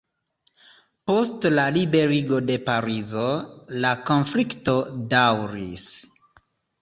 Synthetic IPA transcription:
po̞stlalibe̞ɾiɡo̞de̞paɾizolako̞nflikto̞dawɾḭs

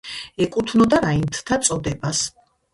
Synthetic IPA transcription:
ɛkʼut̪ʰnɔd̪aɾaint̪ʰt̪ʰat̪sʼɔd̪ɛbas

